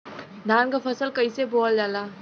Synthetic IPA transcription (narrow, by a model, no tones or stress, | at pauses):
d̪ʱaːnkapʰɐsəlkɐiseboːld͡ʒaːlaː